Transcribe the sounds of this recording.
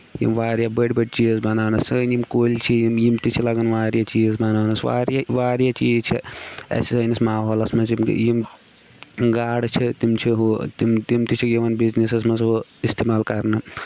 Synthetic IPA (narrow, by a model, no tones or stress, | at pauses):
jḭmʋaːɾjabəɖbɐɖ̚t͡ʃiːzbɐnaːnɐsənimkoːlt͡ʃʰijmjimt̪it͡ʃʰilɐɡɐnʋaːɾjat͡ʃiːzbɐnaːnɐsʋa̰ːɾjaʋaːɾjat͡ʃiːzt͡ʃʰiɛ̰sisənismaːɦoːlɐsmɐsim̰jim | ɡaːɽt͡ʃʰit̪imt͡ʃʰiɦot̪imt̪imt̪it͡ʃʰikjiʋɐnbiznisesmɐsɦoist̪emaːlkɐɾnɐ